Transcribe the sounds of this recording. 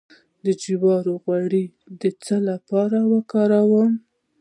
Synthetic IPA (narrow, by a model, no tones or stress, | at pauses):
d̪əd͡ʒiwɑɾoɣwaɽi | d̪ət͡səlapɑɾawəkɑɾawəm